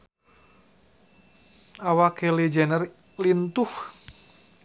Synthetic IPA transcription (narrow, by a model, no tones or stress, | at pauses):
awakelid͡ʒɛnər | lint̪uh